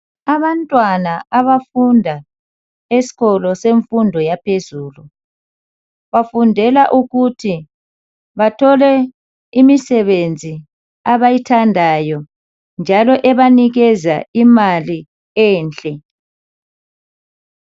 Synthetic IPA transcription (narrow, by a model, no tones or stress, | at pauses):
aβantʼwanaaβafundʱa | esi̥ɣɔlɔseɱfundʱɔjapʰezuːlu | βafundʱɛlaʔuɣutʰi | βatʰɔlɛ | imisɛβend͡zʱi | aβajitʰandʱajɔ | nd͡ʒʱalɔʔɛβaniɣɛzaimali | ɛːnt͡ɬʼɛ